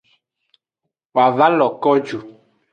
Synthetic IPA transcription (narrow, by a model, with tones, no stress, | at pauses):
wa˨va˦lɔ˨kɔ˦d͡ʒu˨